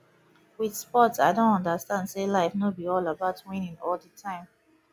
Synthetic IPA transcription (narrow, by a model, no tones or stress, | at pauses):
wiðspɔtsaɪdõntɔ̃ndəstãndselaɪfnobiɔlabaʊtwĩnĩnɔldətʰãɪ̃m